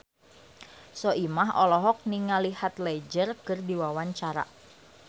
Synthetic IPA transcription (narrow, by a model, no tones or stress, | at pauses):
sɔʔimaɦɔlɔɦɔk̚niŋalihat̪led͡ʒərkərdiwawaɲt͡ʃaɾa̰